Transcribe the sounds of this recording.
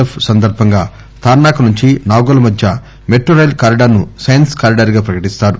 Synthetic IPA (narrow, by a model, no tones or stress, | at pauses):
epsɐnd̪ɐɾbʱɐŋɡaː | t̪ʰaːɾɳaːkɐnuɲt͡ʃinaːɡɐlɐmɐd̪ʱjɐ | meʈɾoɾɐjlkaːɾiɖɐɾnusɐjɐnskaːɾiɖɐɾɡaːpɾɐkɐʈist̪aːɾu